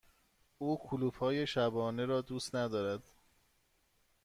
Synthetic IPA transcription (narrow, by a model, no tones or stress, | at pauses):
uːkʰuluːfhɒːje̞ʃæbɒːne̞ɾɒːd̪uːst̪næd̪ɒːɾæd̪̥